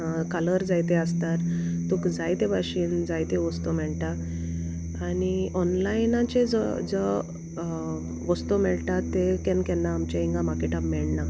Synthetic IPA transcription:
kaləɾd͡zajt̪eəst̪aɾt̪ukd͡zajt̪ebaɕiːnd͡zajt̪eʋɔst̪omɛɭʈa | aɽ̃iɔnlajnãt͡ɕed͡zəd͡zə | ʋɔst̪omɛɭʈ̪at̪ːekɛ̃nkɛnːaːmt͡ɕaiŋɡamakeʈabmɛɭna

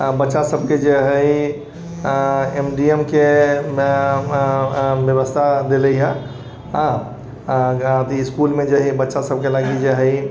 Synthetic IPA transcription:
bətːʃasəb̚ked͡ʒeɦəi | emɖiemke | bjəβəst̪ʰad̪eləja | ɦã | ɡat̪iskulmed͡ʒeɦibətːʃasəb̚kelaɡid͡ʒeɦəj

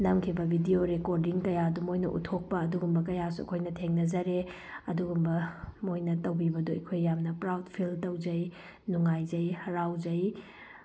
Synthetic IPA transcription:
nɐmkʰibɐbʱidioɾekoɾdiŋkɐjaɐdumojnɐ̰ʔṵtʰok̚pɐːduɡumbɐk̬ɐjasuɐ̰kʰojnɐtʰeŋnɐzɐɾe | ɐduɡumbɐmojnɐtɐwbibɐduɐ̰kʰojːamnɐpɾawtpʰiltɐwd͡ʒɐj | nuŋajzɐjhɐɾawd͡ʒɐj

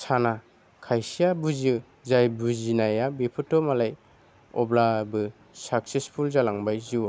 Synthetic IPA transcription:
sana | kʰajsijabuzɯ | zajbuzinajabipʰɯtːɔmalaj | ɔ̰blabɯ | sak̚sespʰulzalaŋbajziw

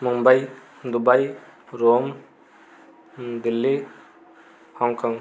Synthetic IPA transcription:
muŋbaj | d̪ubajɾom | d̪ilːi | hɔŋkaŋ

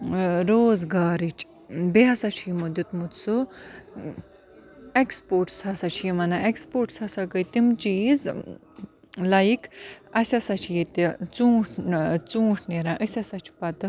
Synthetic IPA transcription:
ɾoːzɡaːɾit͡ʃʰ | beɦɐsat͡ʃʰimud̪ut̪mut̪su | ekspoɾʈshɐsat͡ʃʰimɐnaʔekspoʈshɐsakəjt̪imt͡ʃiːz | lajikʰɐsʲɐsat͡ʃʰjit̪it͡sũːʈʰt͡sũːʈʰneɾãʔəsʲɐsɐt͡ʃʰpɐt̪ɨ

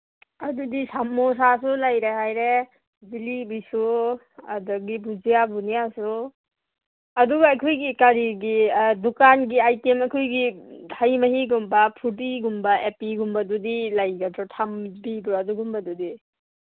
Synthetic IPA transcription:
adudisamːɔsasulajɾaɦajɾe | zilibisu | adɔɡibuzijabunijasu | ɐduɡajkʰɔjɡikaɾiɡidukanɡiajtemajkʰɔjɡihajmaɦiɡumbapʰut̬iɡumbaepiɡumbadudilajɡatʰɾɔtʰambibɾaduɡumbadudi

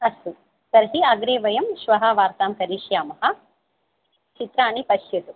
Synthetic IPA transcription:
ɐsu | sɐɾɦiɐɡɾeːʋɐjɐmʃʋɐɦɐʋaːɾt̪aːmkɐɾiːʃjaːmɐɦɐ̆ | t͡ʃit̪ɾaːnipɐʃjɐt̪u

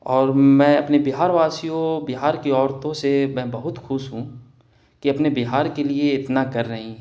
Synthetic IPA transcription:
ɔːɾmɛ̃ːɐpnebɪɦaːɾʋaːsijõbɪɦaːɾkiɔːɾt̪õsemɛ̃ːbɐɦʊt̪xʊʃɦũ | kiɐpnebɪɦaːɾkelieɪt̪nakɐɾːɐɦĩ

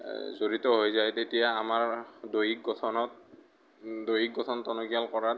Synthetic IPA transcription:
zoɹitɔɦojzajtetijaːmaɹdojik̚ɡɔtʰɔnɔt̚ | dojik̚ɡɔtʰɔntɔnoɡijalkɔɹat

